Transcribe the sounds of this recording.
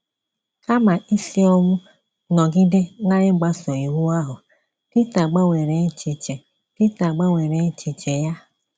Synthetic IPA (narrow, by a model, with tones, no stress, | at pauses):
ka˦ma˨ʔi˦si˦ɔ˦ŋʷʊ˦ | nɔ˨ɡi˦de˦na˦ɾɪ˦ŋ͡m̩˦ɡ͡ba˦sɔ˨i˨wu˦a˦ɦʊ˨ | ti˦ta˨ɡ͡ba˦wʷe˨ɾe˨˦n̩˦t͡ʃe˨t͡ʃe˨ | ti˦ta˨ɡ͡ba˦wʷe˨ɾe˨˦t͡ʃe˨t͡ʃe˨ja˦